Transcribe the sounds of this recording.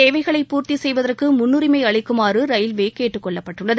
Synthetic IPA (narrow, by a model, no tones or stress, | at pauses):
eːʋɐɪɣɐɭɐɪpːuːɾt̪isɛjʋɐðɐrkɯmʊnːɯɾɪmɐɪɐɭɐɪkːɯmaːrɯɾɐjɪlʋeːkeːʈːɯkːɔɭːɐpːɐʈːɯɭːɐðɯ